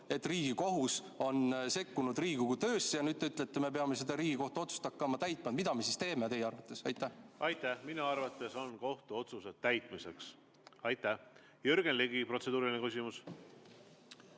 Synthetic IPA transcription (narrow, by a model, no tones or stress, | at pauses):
e̞t̪ːˑriːɡ̥iko̞ɦus | o̞nse̞kːunud̪̥riːɡ̥uɡut̪øːsːjɑnyːd̪̥̚t̪eyt̪ːˑlet̪ːeme̞p̬e̞ɑme̞se̞d̪̥ɑɾiːɡ̥iko̞ht̪uo̞t̪su̥st̪ɑkːˑɑmɑt̪æjt̪ˑmɑd̪mid̪ɑme̞sist̪e̞ːme̞t̪e̞jeɑrvɑt̪ːˑe̞sɑjt̪ːˑæhʔɑjt̪ːæhminɑɑrvɑt̪ːˑe̞so̞nko̞ht̪uo̞t̪sused̥̪̚t̪ːæjt̪ˑmise̞ks | ɑjt̪ːˑæh | jøɾɡ̥enliɡipro̞t̪se̞d̪uːɾilʲinekysʲimus